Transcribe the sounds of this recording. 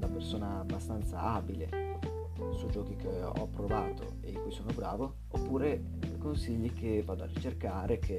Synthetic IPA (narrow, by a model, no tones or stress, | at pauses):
d̪apersoːnaːbːast̪ant̪saaːbile | sud͡ʒɔːk̟ik̟eɔ̰pːɾovaːt̪o̰ed̪ikuːjsoːnobɾaːvo | opːuːɾe | konsiʎːikʰevaːd̪oa̰rit͡ʃerkaːɾekʰe